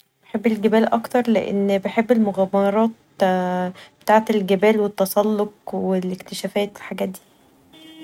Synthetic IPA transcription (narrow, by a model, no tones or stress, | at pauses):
b̥eħebːelɡæbæːlʔɑkt̪ɑɾˤlḛʔḛnːbeħebːelmoɣæmɑɾˤɑːt̪̚ | b̥et̪aːʕet̪elɡæbæːlwet̪ːɑsˤɑlːoq̚welekt̪eʃæːfæːt̪ilħaɡæːt̪̚d̪iː